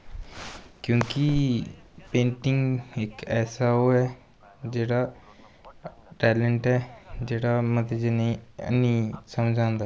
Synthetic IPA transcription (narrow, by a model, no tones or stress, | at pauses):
kjũːki | pẽːɳʈiŋɡeːkɛːsaoɛ | d͡ʑeːɽa | ʈɛleɳʈɦɛd͡ʑeːɽaməd̪ʱed͡ʑeneə̰nĩsəmd͡ʑʱãnd̪aː